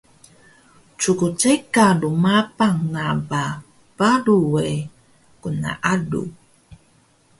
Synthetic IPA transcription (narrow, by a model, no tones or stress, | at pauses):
t͡sukut͡ʃajkadumapaŋːaba | baɾuwe | kuna̰ʔadṵ